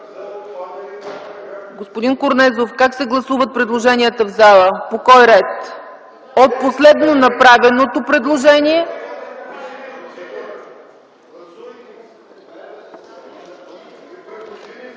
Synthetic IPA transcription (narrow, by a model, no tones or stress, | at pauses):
ɡospod̪inkoɾnɛzofkaksɛɡlˠɐsuvət̪̚pɾɛd̪lˠoʒɛnʲiət̪əvzalˠəpokɔjɾɛt̪ | ot̪̚poslɛd̪nonɐpɾavɛnot̪opɾɛd̪lˠoʒɛniɛ